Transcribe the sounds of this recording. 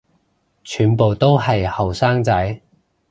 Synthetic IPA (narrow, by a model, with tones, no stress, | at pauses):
t͡ʃʰyː˨˧npo˨wt̪o˥whɐ˨jhɐ˨wsaː˥ŋt͡sɐ˨˥j